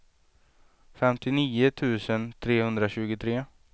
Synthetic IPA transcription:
fɛmt̪ɪniːʊt̪ʰʉ̟ːsənt̪ʰɾeːhɵnd̪ɾaɕʉ̟ːɡʊt̪ʰɾeː

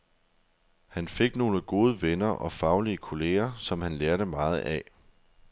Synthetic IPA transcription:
hænfe̝ɡ̥no̝ːləɡ̥o̝ːð̞ˠəʋenɐʔɒ̽fɑ̈ʊliəkʰo̝le̝̰ːɐsɒ̽mhænleɐɾəmɑ̈ːð̞̩ˠʔɛ

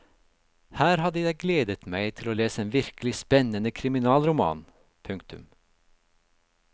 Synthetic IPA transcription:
hæːɾhɑd̪əjæɪɡleːd̪ət̪mæɪt̪ʰɪloːleːsəeːnʋɪɾkəlɪspɛnənəkʰɾɪmɪnɑːlɾʊmɑ̰ːn | pʰʉŋkt̪ʉ̰m

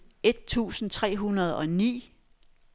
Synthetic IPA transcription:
e̝d̥̚t͡sʰṵːsn̩t͡sʰʁɛ̰ːɦunɐð̞̩ˠɒ̽nḭː

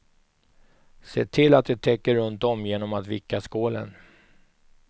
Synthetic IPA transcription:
seːt̪ʰɪlːat̪̚d̪ɛt̪ʰɛkːəɾɵnt̪ɔmjeːnɔmat̪vɪkːaskoːlə̰n

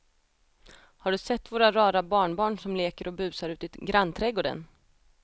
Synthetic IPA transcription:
haɖɵsɛt̪ːvoːɾaɾɑːɾabɑːɳbɑːɳʂɔmleːkəɾɔbʉ̟ːsaɾʉ̟ːt̪ɪt̪ɡɾanːt̪ʰɾɛɡoːɖə̰n

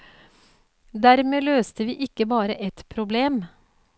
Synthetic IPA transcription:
d̪æɾmeːløːst̪əʋiːʔɪkːəbɑːɾəʔɛt̪pʰɾʊbleːm

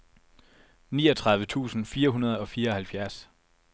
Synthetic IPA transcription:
nḭːɒ̽t͡sʰʁɑ̈ð̞ˠʋət͡sʰṵːsn̩fiːɐɦunɐð̞̩ˠɒ̽fiːɐɒ̽hælfjæɐs

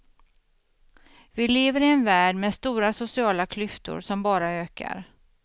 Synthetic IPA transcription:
vɪleːvəɾɪɛnvæːɖmɛst̪uːɾasʊsɪɑːlakʰlʏft̪ʊ̰ɾsɔmbɑːɾaøːka̰ɾ

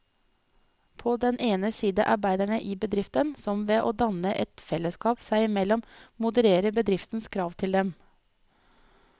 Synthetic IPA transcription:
pʰɔːd̪ɛnʔeːnəsiːd̪ə̰ʔɑ̰ɾbæɪd̪æɳəʔiːbəd̪ɾɪft̪ənsɔmʋeːʔoːd̪ɑnəʔɛt̪fɛləskɑːpsæɪɪmɛlɔmmʊd̪əɾeːɾəbəd̪ɾɪft̪nskʰɾɑːʋt̪ʰɪld̪ɛm

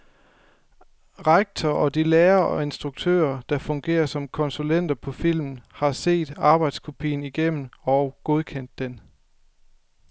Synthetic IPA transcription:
ʁɑɡ̥̚t͡sʰɒʔɒ̽d̥ileːɐɒ̽e̝nsd̥ʁuɡ̥̚t͡sʰø̰ːɐd̥ɑ̈fɔ̽ŋɡ̥e̝̰ːɐsɒ̽mkʰɒ̽nsulen̰d̥ɐpʰɒ̽fil̰mn̩hɑ̈se̝̰ːd̥ɑ̈ːb̥ɑ̈ɪd̥skʰo̝pʰḭːn̩iɡ̥em̰n̩ɒ̽ʊɡ̥o̝ð̞ˠkʰen̰d̥ːen

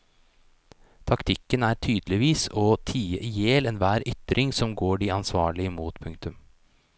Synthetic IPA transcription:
t̪ʰɑkt̪ʰɪkːənæːʈʰyːd̪lɪʋiːsɔt̪ʰiːəʔijeːlɛnʋæːɾʏt̪ɾʔɪŋsɔmɡoːɖiɑnsʋɑːɭɪəmuːt̪pʰʉŋk̚t̪ʉm

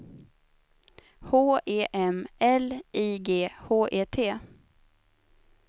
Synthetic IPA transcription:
hoːʔeːʔɛmʔɛliːɡeːhoːʔeːt̪ʰeː

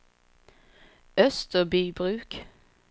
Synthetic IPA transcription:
œst̪əbyːbʁʉːk

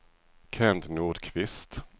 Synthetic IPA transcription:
kʰɛnd̪nuːɖkʰvɪst̪

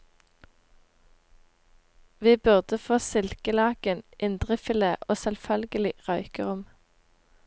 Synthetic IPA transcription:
ʋiːbʉʁd̪əfoːsɪlkəlɑːɡənʔɪnd̪ʁɪfɪleːʔoːsɛlfœlɡəlɪʁɑʏkəʁʊm

